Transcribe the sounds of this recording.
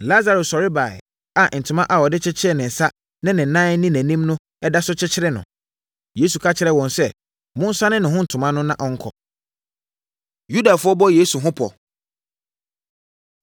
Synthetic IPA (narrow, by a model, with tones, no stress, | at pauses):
la˦za˨ɾo˨sɔ˨ɾɪ˦ba˨ɪ̰˨ | a˨n̩˨tʰʊ˨mã˦ʔa˨wɔ˨dɪ˦t͡ɕʰɪ˦t͡ɕʰɪ˦ɾɛ˦nɪ̃˨n̩˨sa˦ | nɪ̃˦nɪ̃˨n̩˨nãː˦n̩˦nĩ˦næ̃˨nĩ˦mnʊ̃˦ | ɛ˦da˦sʊ˦t͡ɕʰɪ˦t͡ɕʰɪ˦ɾɛ˦nʊ̰̃˨ | jeː˦su˨kʰa˦t͡ɕʰɪ˦ɾɛ˨wɔ̃˨nsɛ˦ | mʊ̃˦n̩˦sã˦nɪ̃˦nɪ̃˨ɦʊ̃˦n̩˨tʰʊ̃˨mã˦nʊ̃˦nã˦ʔɔ˦ŋ̩˦kʰɔ̰˨ | ju˦da˨fʊ˦ɔ˦bɔ˦jeː˦su˨ɦʊ̃˦pʰɔ̰˨